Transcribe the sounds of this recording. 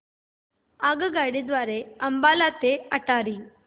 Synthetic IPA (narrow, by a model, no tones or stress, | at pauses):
aɡəɡaɽid̪ʋaɾeəmbalat̪eəʈaɾiː